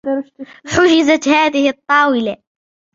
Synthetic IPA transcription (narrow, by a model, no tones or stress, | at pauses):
ħʊd͡ʒɪzat̪haːðɪhɪt̪ˤːɑːwɪla